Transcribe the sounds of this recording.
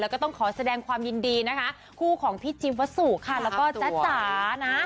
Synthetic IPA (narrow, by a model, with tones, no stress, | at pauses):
lɛː˦˥kɔː˥˩t̪ɔ˥˩ŋkʰɔː˩˦sa˧dɛː˧ŋkʰwaː˧mji˧ndiː˧na˦˥kʰa˦˥ | kʰuː˥˩kʰɔː˩˦ŋpʰi˦˥˩t͡ɕʰi˧wa˦˥su˨˩kʰa˧˥˩lɛː˦˥wwkɔː˥˩t͡ɕa˨˦˥t͡ɕaː˩˦na˦˥